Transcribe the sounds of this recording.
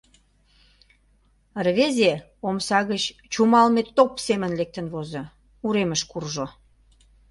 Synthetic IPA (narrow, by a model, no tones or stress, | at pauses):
rβeze | omsɑɣət͡ɕt͡ɕumɑlmet̪ːopsemənlek̚t̪ənβozo | uɾeməʃkurʒo